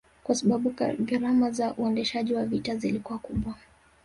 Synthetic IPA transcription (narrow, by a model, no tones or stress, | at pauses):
kwasaɓaɓuɡaɾamazaʔuɛndɛʃaʄiwavitazilikuwakuɓwa